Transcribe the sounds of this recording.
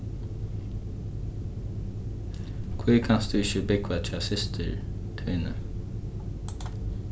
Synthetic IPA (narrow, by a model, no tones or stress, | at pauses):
kʰviːkʰanst̪d̪ʉːɪçəbɪkʋat̪ʰasɪst̪ʰə̰ɹ | t̪ʰɪːnə̰